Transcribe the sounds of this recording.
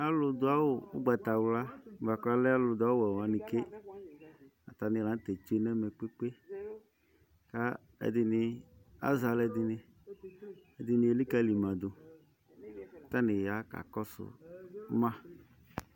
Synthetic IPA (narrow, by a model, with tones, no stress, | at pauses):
a˦lʊ˨d̪ʊ˨˦a˦wʊ˨ʊ̰˦ɡ͡ba˨t̪a˨wla˦˨va˨ka˦lɛ˦a˦lʊ˨d̪ʊ˨˦a˨˦ɛ˨wa˨nɪ˨ke˦ | a˨t̪a˨nɪ̃˨la˨˦n˦t̪ɛ˨t͡ʃu˦e˦nɛ˦mɛ˨k͡pe˦k͡pe˦ | ka˦ | ɛ̰˨d̪ɪ˨nɪ˨a̰˦za˨lɛ˨d̪ɪ˨nɪ˨ | e˨d̪ɪ˨nɪ̃˨e˨li˦ka˦li˨mã˨d̪ʊ˨ | t̪a˦nɪ̃˨ja˨˦ka̰˨kɔ˦sʊ̰˨˦mã˦